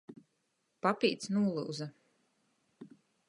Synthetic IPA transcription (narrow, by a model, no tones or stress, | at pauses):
papiːt̪snuːlˠṵːz